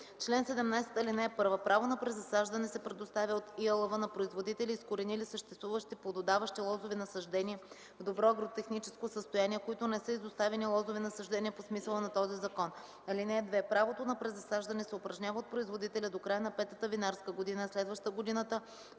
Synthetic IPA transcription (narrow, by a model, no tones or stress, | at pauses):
t͡ʃlɛnsɛd̪ɛmnajsɛ̥t̪ɐlinɛːpɤɾvəpɾavonɐpɾɛzɐsaʒd̪ɐnɛsɛpɾɛd̪ost̪avʲjəot̪iɐlˠɐvənɐpɾoizvod̪it̪ɛliːskoɾɛnilisəʃt̪ɛst̪vuvəʃt̪iplˠɐd̪od̪avɐʃt̪ilˠɔzovɛnɐsɐʒd̪ɛniɛ | vd̪obɾɔɐɡɾot̪ɛxnit͡ʃɛ̥skosəst̪ojaniɛkoit̪ʊnɛsɤizost̪avɛnilˠɔzovɛnɐsɐʒd̪ɛniɛposmisəlˠənɐt̪ɔzizɐkɔn | ɐlinɛːd̪vɛpɾavot̪onɐpɾɛzɐsaʒd̪ɐnɛsɛopɾɐʒnʲavəot̪̚pɾoizvod̪it̪ɛlʲɐd̪okɾajənɐpɛt̪ət̪əvinaɾskəɡod̪inəslɛd̪vəʃt̪əɡod̪inət̪ə